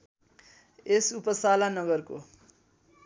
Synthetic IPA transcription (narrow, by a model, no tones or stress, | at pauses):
esupʌsalanʌɡʌrko̰